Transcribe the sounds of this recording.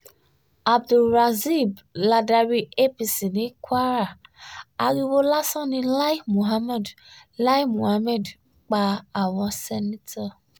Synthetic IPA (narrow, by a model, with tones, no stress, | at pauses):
a˨bdu˨lɾa˨zi˦˨bla˧da˧ɾi˦e˦pi˨si˨nĩ˦kwa˦ɾa˨a˨ɣi˦wo˦la˦sɔ̃˦nĩ˧la˦i˦mu˨ɦa˦mɛ˦˨dla˦i˦mũ˨ha˦mɛ˦˨d | k͡pa˧a˨wɔ̃˧sɛ˦nĩ˦tʰa˦˨